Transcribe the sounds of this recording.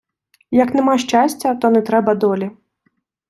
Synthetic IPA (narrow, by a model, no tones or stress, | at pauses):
jɐknɛmaʂt͡ʃasʲt͡sʲɐt̪ɔnɛt̪ɾɛbɐd̪ɔlʲi